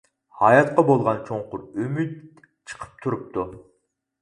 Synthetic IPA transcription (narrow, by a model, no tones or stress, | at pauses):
hɑjɑt̪qɑbolˠʁɑnt͡ʃʰoŋqʊɾømyt̪̚ | t͡ʃʰɨ̥qʰə̥p̚t̪ʰuɾup̚t̪ʰu